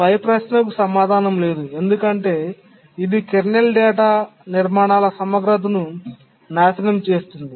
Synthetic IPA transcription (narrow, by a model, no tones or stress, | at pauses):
pɐjɐpɾaːsnɐkusɐmaːd̪ʱaːnɐmle̞ːd̪ue̞nd̪ukɐɳʈe̞ː | id̪ikeɾnelɖɛːʈaːniɾmaːɳaːlɐsɐmɐɡɾɐt̪̬ɐnu | naːsɐnɐmt͡ʃe̞ːst̪und̪i